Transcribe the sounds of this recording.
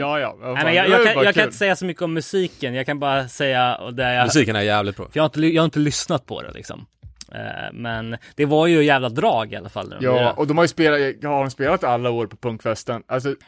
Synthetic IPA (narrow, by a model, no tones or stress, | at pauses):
jɑːjɑ̰mɛnjɑjjɑɡkanjɑːɡkanɪt̪əsɛjːasɔmʏkːəɔmːɵsiːkənjɑːɡkʰanbɑːɾasɛjːaɔ̰d̪ɛjamsiːkənæɾjæːvlɪt̪̚bɾɔ̰fjɑːhaɪnt̪əjɑːhɾɪnt̪əlʏsnat̪̚pʰɔ̰d̪ɛ̰lɪ̰ksɔ̰m̰ | mɛnd̪̥ɛvaɾjɵjæːvlad̪ɾɑːɡɪa̰lːa̰fa̰lːʉ̰jɑːʔɔd̪ɔmhaɾjəspeːlahahaɾɔmspeːlat̪alːaoːɾpɔ̥pʰɵŋkfɛst̪ənʔals̬ɔ